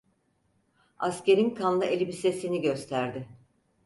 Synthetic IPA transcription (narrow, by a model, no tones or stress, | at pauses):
asce̞ɾinkʰanlˠɯʔelʲibise̞siniɟø̞st̪ʰæɾd̪ɪ